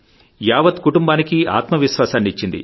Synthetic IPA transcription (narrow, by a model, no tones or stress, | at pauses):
jaːʋɐt̪kuʈumbaːnikia̰ːt̪mɐʋiʃʋaːsaːnːiit͡ʃːind̪ḭ